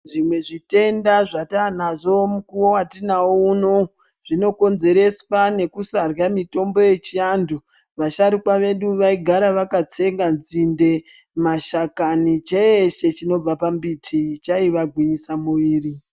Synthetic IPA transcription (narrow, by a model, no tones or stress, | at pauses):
ʐimwe̞ʐite̞ndaʐatanaʐo̞mukuwowatinauno | ʐ̥ino̞ko̞nze̞ɾe̞swane̞kusarjamito̞mbo̞je̞t͡ʃiandu | ʋaʃaɾikwaʋe̞ɗuʋaiɡʱaɾaʋakat͡se̞ŋɡanzinde̞ | maʃakanit͡ʃeeʃe̞t͡ʃino̞b͡vapambitʰit͡ʃaiʋaɡʱwiɲisamuʋiːri